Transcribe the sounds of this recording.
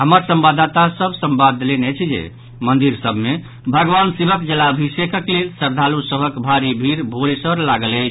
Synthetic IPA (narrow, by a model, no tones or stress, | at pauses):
ɦəməɾsə̃mbad̪at̪asəbʱsəmbad̪elenət͡ʃʰd͡ʒḛ | mənd̪iɾsəbʱme | bʱəɡʋansebəkd͡ʒelabʱisekəklelsəɾd̪ʱalusəbəkbʱaɾibʱiɾbʱoɽesəɾlaɡələt͡ʃʰ